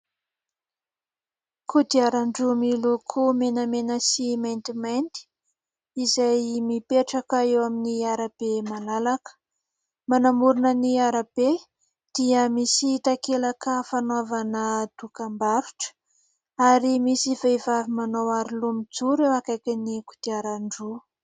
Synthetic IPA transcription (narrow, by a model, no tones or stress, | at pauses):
kʰud̪iaɾaɳɖ͡ʐumilukʰumenamenəsiment̪imant̪i̥ | izajmipeʈ͡ʂakəewaminiaɾab̥emalalakə̥ | manamuɾunəniaɾab̥e | d̪̥iəmisit̪akelakəfanavanəd̪̥ukambaɾu̥ʈ͡ʂə̥ | aɾimisivevavimanowaɾilumid͡zuɾewakajkʲanikud̪̥iaɾaɳɖ͡ʐu